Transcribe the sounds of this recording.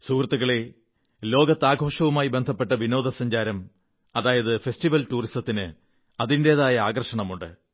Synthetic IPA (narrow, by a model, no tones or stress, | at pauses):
sukrɐt̪ːuɣɐɭe | lo̞ːɡɐt̪ːaːɡʱo̞ːʂɐʋumaːjibe̞nd̪ʱɐpːe̞ʈːɐʋino̞ːd̪ʱɐsɐɲd͡ʑaːɾɐm | ɐðaːjɐðɨfe̞sʈiʋɐltuːristɐt̪ːinɨ | ɐðinde̞ːðaːjɐaːɡɐrʂɐɳɐmuɳɖɨ̰